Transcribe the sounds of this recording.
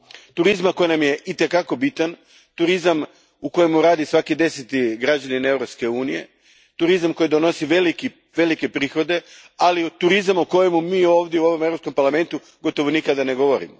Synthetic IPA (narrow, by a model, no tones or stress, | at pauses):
t̪uɾizmako̞jnamje̞ʔit̪e̞kako̞bit̪an | t̪uɾizam | uko̞jemuɾaːd̪isʋakid̪e̞set̪iɡɾad͡ʑaninaeʋɾopske̞uːnije̞̰ | t̪uɾizamko̞jid̪ono̞siʋeliki | ʋe̞like̞pɾiːxo̞d̪e̞ | alit̪uɾizamuko̞je̞mumiːo̞ːʋd̪je̞uo̞ʋo̞me̞vɾopskompaɾlˠame̞nt̪u | ɡo̞t̪o̞ʋonikad̪ane̞ɡo̞ʋo̞ɾḭmo